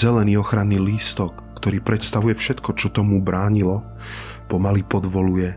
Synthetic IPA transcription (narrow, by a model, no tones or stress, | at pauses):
zɛlɛniːɔxɾanːiːliːst̪ɔkːt̪ɔɾiːpɾɛt̪st̪aʋujɛfʃɛt̪kɔt͡ʃɔt̪ɔmubɾaːɲilɔ | pɔmalipɔd̪ʋɔlujɛ